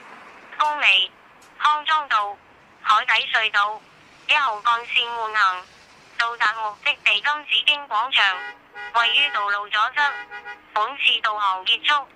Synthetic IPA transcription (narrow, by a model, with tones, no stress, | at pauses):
kʊ˥ŋme˨˩j | hɔː˥ŋt͡sɔː˥ŋt̪o˧w | hɔː˨˥jt̪ɐ˨˥jsɵ˧ɥt̪o˧w | jɐ˥t̚ho˨wkɔː˧nsiː˧nmuː˨˩nhɐ˨˩ŋ | t̪o˨wt̪aː˨t̚mʊ˨k̚t̪ɪ˥k̚t̪e˨jkɐ˥mt͡siː˨˥kɪ˥ŋkʷɔː˨˥ŋt͡ʃʰœː˨˩ŋ | wɐ˨jːyː˥t̪o˨wlo˨wt͡sɔː˨˥t͡sɐ˥k̚puː˨˥nt͡sʰiː˧t̪o˨wɦɔː˨˩ŋkiː˧˥t̚t͡sʰʊ˥k̚